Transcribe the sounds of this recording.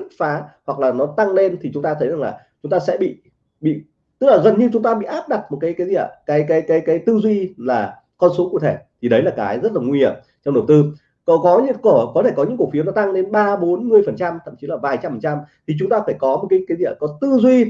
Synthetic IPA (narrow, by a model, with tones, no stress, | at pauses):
t̚faː˨˦hwa˨˩k̚laː˨˩nɔ˨˦t̪a˧ŋle˧nt̪ʰi˨˩t͡ɕʊ˨˦ŋ͡mt̪aː˧ə˨˦jza˨˩ŋlaː˨˩ | t͡ɕʊ˨˦ŋ͡mt̪aː˧sɛ̰˧˥ɓḭ˧˨ | ɓḭ˧˨ | t̪ɨ˦˥k̚laː˨˩ɣə˨˩nɲɨ˧t͡ɕʊ˨˦ŋ͡mt̪aː˧ɓḭ˧˨ʔaː˦˥p̚ɗa˨˩t̚mo˨˩kaː˨˦jkaː˨˦zi˧˩˨ə̰˨˩kaː˨˦jkaː˨˦jkaː˨˦jkaː˨˦jt̪ɨ˧zwi˧laː˨˩ | kɔ˧nso˨˦ku˧˩ət̪ʰe˧˩t̪ʰi˨˩ɗə˨˦jlaː˨˩kaː˨˦jzə˦˥t̚laː˨˩ŋwi˧hi˧˩˨m | t͡ɕɔ˧wŋ͡mɗə˨˩wt̪ɨ˧ | kɔ˨kɔ˨˦ɲɨ˧˥ko˧˩əkɔ˨˦t̪ʰe˧˩kɔ˨˦ɲɨ̰˧˥ŋku˧˩fi˨˦nɔ˨˦t̪a˧ŋle˧nɓaː˧ɓo˨˦nmɨ˨˩əjfə˨˩nt͡ɕa˧mt̪ʰə̰˧˨mt͡ɕi˨˦laː˨˩vaː˨˩jt͡ɕa˧mfə˨˩nt͡ɕa˧mt̪ʰi˨˩t͡ɕʊ˨˦ŋ͡mt̪aː˧faː˧˩jkɔ˨˦m˨˩t̚kaː˨˦jkaː˨˦jzḭ˧˩˨kɔ˨˦t̪ɨ˧zwi˧